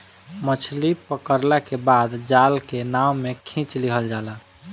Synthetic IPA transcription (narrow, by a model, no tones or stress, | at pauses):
mət͡ʃʰlipəkəɾlakebad̪d͡ʒalkenawmekʰĩt͡ʃlikʰəld͡ʒala